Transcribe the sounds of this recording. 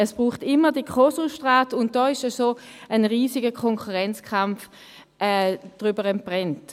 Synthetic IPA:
əsb̥ʁuːχtɪmːədikʰɔsuʃtʁaːtʊnt̚d̥ɔːɪʃəsoənʁiːsɪɡəkʰɔŋkuʁɛnt͡skʰamf | ɛːd̥ʁybəʁɛnpʁɛnt

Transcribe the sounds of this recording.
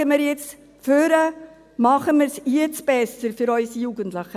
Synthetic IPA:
əmɪɾjɛt͡s | føɾə | mɑχəmɪɾsjət͡sb̥ɛsəɾfyɾœʏsijuɡəntləχə

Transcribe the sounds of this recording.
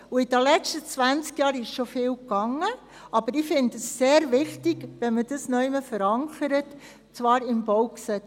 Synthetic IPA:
uɪd̥ɛlɛt͡ʃtət͡sʋænt͡skjɑːɾɪʃʃofɪːlkɑŋːə | ɑb̥əɾɪfɪndəsːeːɾʋɪxtiɡ̥ʋɛnməd̥əsnœʏməfəɾɑŋkəɾət | t͡svɑːɾɪmb̥ɔwksɛt͡s

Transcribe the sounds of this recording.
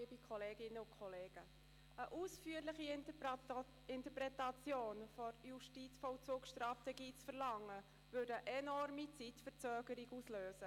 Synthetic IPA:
ibikʰχɔleːɡɪnːəʊnkʰχɔleːɡ̥ə | əʔusfyːəɾlɪχi | ɪntəpɾɛtɑt͡sjoːnfɔɾjuʃtit͡sfɔʊt͡suːkʃtɾɑftɛɡiːt͡sfəɾlɑŋːə | vødəʔɛnɔrmit͡sitfət͡søːɡ̥əɾiɡusløːsə

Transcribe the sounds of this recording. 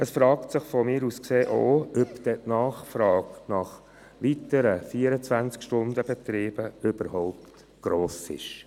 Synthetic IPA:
əsfɾɑːktsɪχfɔmɪːɾuskseːʔoːœpd̪̥ɛtnɑːχfɾɑːknɑχ | ʋit̪əɾəfiːəɾət͡sʋænt͡skʃtʊnd̪əbɛt̪ɾiːb̥əʏb̥əɾhɔʊp̚tt | ɡ̥ɾoːsɪ̰ʃ

